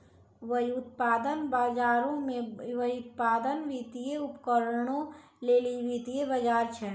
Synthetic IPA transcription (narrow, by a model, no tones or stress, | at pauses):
ʋəjʊt̪̚paːd̪ənbaːd͡ʒaːɾõmẽʋəiʊt̪̚paːd̪ənʋiːt̪ijeʊpkəɾəɽ̃õ | leːliʋit̪iebəd͡ʒaːɾt͡ʃʰɛ